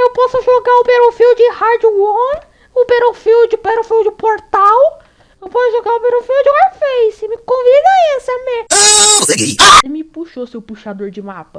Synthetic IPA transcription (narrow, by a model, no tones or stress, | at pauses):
ewpɔsʊʒoɡaʊpeɾofiwd͡ʒɪhaɾd͡ʒɪwõn | ʊbeɾofiwd͡ʒɪpeɾofiwd͡ʒɪpoɾt̪aw | ewpɔsʊʒoɡaʊpeɾofiwd͡ʒɪaɾfejsɪmɪkõvid̪ɐesɐmẽaoseɡiɪmɪpuʃosewpuʃad̪oɾd͡ʒɪmapɐ